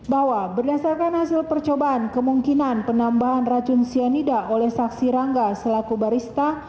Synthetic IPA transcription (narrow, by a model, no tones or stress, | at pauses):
bawabərdasarkanhasɪlpərt͡ʃobaʔːnkəmuŋkinanpənambaɦanrad͡ʒʊnsionidaolɛhsaksiɾaŋɡasəlakubaɾist̪a